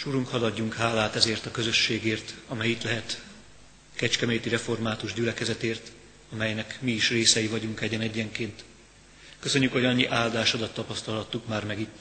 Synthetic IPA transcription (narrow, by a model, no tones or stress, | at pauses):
ʃuɾuŋkhɒlɒɟːuŋkhaːlːaːt̪ɛzeːrt̪ɒkøzø̞ʃːeːɡeːrt̪ɒmɛjit̪lɛɦɛt̪ | kɛt͡ʃkɛmeːt̪iɾɛfo̞rmaːt̪uʒɟylɛkɛzɛt̪eːrt̪ | ɒmɛjnɛkmiːʃreːsɛjivɒɟuŋkɛɟɛnɛɟːɛŋkeːnt̪ | køsø̞ɲːykho̞ɟɒɲːiʔaːld̪aːʃod̪ɒt̪ːɒpɒst̪ɒlɦɒt̪ːukmaːrmɛɡit̪ː